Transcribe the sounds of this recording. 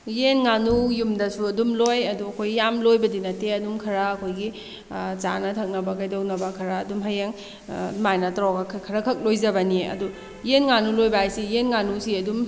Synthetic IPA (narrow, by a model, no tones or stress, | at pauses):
jenŋanujumdɐsuɐdumlojɐduɐkʰojɡijamlojbɐdinɐteɐdumkʰɐɾɐːkʰojɡi | t͡ʃa̰nɐtʰɐk̚nɐbɐkajdownɐbɐkʰɐɾɐːdumɦɐjeŋ | majnɐtɾawɡɐkʰkʰɐɾɐkʰɐk̚lojzɐbɐniɐ̰du | jenŋanulojbɐajsijenŋanusiɐdum